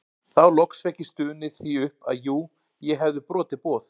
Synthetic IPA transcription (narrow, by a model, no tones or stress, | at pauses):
θawlɔksvɛhcɪst̪ʏːnɪθiːʏhpa̰ðjuː | jɛɦɛvðʏpɾɔːt̪ɪpɔːθ